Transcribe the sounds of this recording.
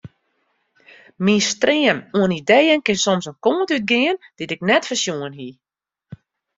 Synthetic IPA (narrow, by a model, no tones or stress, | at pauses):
minstrɪənuənidejənkɪnsɔmsənkoːəntyt̚ɡɪənd̥itɪk̚nɛtfəsjuənɦi